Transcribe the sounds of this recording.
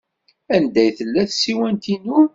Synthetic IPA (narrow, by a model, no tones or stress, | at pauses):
ænd̪æjθəlːæθsiwænt̪inʊɾ